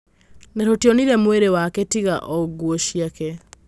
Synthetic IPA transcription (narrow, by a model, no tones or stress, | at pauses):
neɾotjɔniɾɛmweɾewaketiɣa̰ʔɔɡuɔʃiakɛ